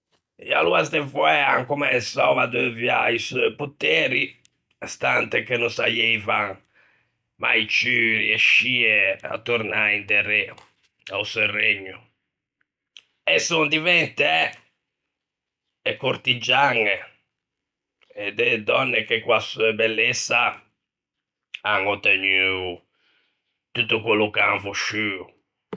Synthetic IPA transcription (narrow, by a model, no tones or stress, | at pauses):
ja̰luazd̪ɛvɔɛa̰ŋkɔmɛsɔvad̪əvja̰isɔjput̪eːɾi | st̪ant̪ɛkenɔnsajeva | ma̰jt͡ʃyrieʃːiːɛa̰t̪ːoɾnaind̪ɛɾɛ | ausɛreɲːu | ɛsund̪ivɛnt̪eɛ | ɛkːoɾt̪id͡ʒːaŋe | ɛd̪ed̪ɔnːekekwasuebɛlːesːa | aŋɔt̪eɲyu | t̪ut̪ːukwelːukaŋfuʃːyːu